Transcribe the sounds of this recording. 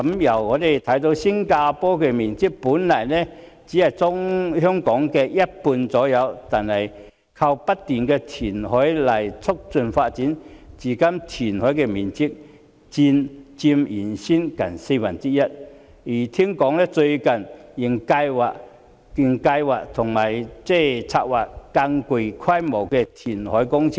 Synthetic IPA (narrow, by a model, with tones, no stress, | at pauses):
ɐ˨˧˦mjɐ˨˩wŋɔː˨˧t̪e˨˩jt̪ʰɐ˨˥jt̪̬o˧˥wsi˥ŋkaː˧pɔː˥kɛː˧miː˨nt͡si˥k̚puː˨˥nlaː˨˩nɛː˥ | t͡siː˨˥hɐ˨jt͡sʊ˥ŋhœː˥ŋkɔː˨˥ŋkɛː˧jɐ˥t̚puː˧nt͡sɔː˨˥jɐ˨˧wt̪aː˨nhɐ˨˩j | kʰɐ˧wpɐ˥tt̪iː˨˩nkɛː˧t̪ʰiː˨˩nhɔː˨˥jlɐ˨˩jt͡sʰʊ˥k̚t͡sɵ˨nfaː˧t̚t͡siː˨˥nt͡siː˨˩kɐ˥mt̪ʰiː˨˩nhɔː˨˥jkɛː˧miː˨nt͡si˥k̚ | t͡siː˧nt͡si˧mjiː˨˩nsiː˥nkɐ˨˩nse˧jwaː˨˩nt͡si˥jɐ˥t̚ | jiː˨˩t̪ʰiː˥ŋkɔː˨˥ŋnɛː˥t͡sɵ˧ɥkɐ˨˩njɪ˨˩ŋkaː˧jwaː˨k̚ | ky˨ŋka˧jwaː˨k̚t̪ʰʊ˨˩ŋmaː˨˩jt͡sɛː˥˩t͡sʰa̰ː˧k̚waː˨˩kkːa˧ŋku˨˧˩jkʰɐ˥jmo˨˩wkɛː˧t̪ʰiː˨˩nhɔ̰ː˨˥jkʊ˥ŋt͡sʰi˥